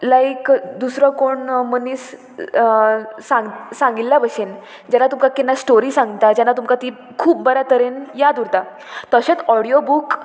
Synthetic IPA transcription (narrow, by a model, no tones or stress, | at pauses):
lajkd̪usɾəkoɳməniːs | sãŋɡsãŋɡilːabəɕen | d͡ʑanːat̪umkakinːasʈoɾiːsãŋɡt̪ad͡ʑanːat̪umkat̪iː | kʰuːbːəɾat̪əɾenjad̪uɾt̪a | t̪əɕet͡sɔɽijobuk